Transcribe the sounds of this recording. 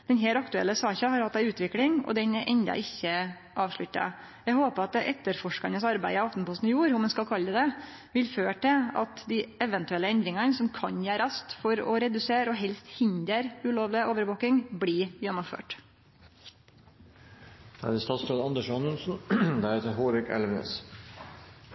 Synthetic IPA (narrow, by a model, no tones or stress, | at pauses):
d̪̥ɛnɦeːlɑkt̪ʉɛ̰lːəsɑːçɑhɑɾhɑt̪ːd̪æɪʉːt̪ʋɪklɪŋɔ̰d̪ɛnɛʔɛnd̪ɑ̰ʔɪçːə | ʔɑːʋʂɭʉt̪ːɑ̰ | jɛɡhoːpəɾɑt̪̚d̪ɛʔɛt̪ːəɾfɔʂkɑnəsɑɾbæɪəɑft̪n̩pɔst̪n̩juːɾhʊmɛnskɑlkʰɑlːəd̪ɛ | ʋɪlføːʈʰɛɑ̰t̪d̪ɪɛʋənt̪ʉɛlːəɛnd̪ɾɪŋɑnəsɔmkʰɑɲjæːɾɑst̪fɔɾɔ̰ɾɛd̪ʉseːɾɔɦɛlst̪hɪnd̪əɾʉloːʋlɪəʔoːʋəɾʋoːkɪŋbliːjɛnːʊmfø̰ːʈ | æ̰d̪əst̪ɑːt̪sɾɑːd̪ɑnd̪əʂɑnənsn̩d̪æɾheːt̪əɾɦoːɾɪkɛ̰lʋənḛːs